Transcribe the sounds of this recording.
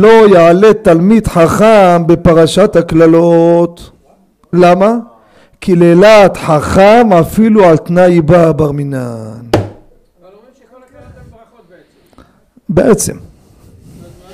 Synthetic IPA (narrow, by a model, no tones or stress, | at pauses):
lo̞jaʕalet̪almid̪ħaχambe̞paʁaʃat̪haklalot̪ | lama | kilelat̪ħaχamafiluʕalt̪najbabaʁminan | beʔet͡sḛm